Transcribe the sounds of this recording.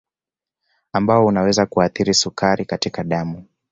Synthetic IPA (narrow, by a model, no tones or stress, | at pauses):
ambaɔunawɛzakuaθiɾisukaɾikatikaɗamu